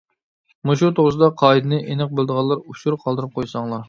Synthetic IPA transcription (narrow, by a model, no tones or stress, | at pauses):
muʃut̪ʰoʁɾɨsɨd̪ɑqʰɑːid̪ɨnɨʔenɨq̚bɪlˠd̪əʁɑlˠːɑɾuʃuɾqʰɑlˠd̪ɨɾɨp̚qʰojsɑŋlˠɑɾ